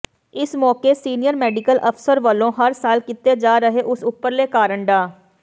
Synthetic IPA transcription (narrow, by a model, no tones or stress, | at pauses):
ɪsmɔːkeːsiːnɪjəɾmɛːɖɪkəlʔəpʰsəɾʋəlːõːɦəɾsaːlkɪt̪eːd͡ʒaːɾəɦeːʔʊsʊpːəɾleːkaːɾəɳɖaː